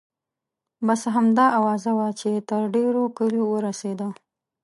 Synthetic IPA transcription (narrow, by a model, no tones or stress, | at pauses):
basɦamd̪ɑʔawɑzawat͡ʃet̪əɾɖeɾokəlowəɾased̪a